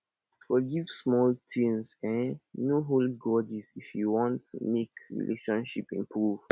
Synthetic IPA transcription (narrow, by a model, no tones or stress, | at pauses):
fɔɡivsmɔltʰĩŋsɛ̃nnoɦolɡɔdizifjuwɔ̃ntmekɹḭlʔḛʃɔ̃nʃipḭ̃mpɹuv̥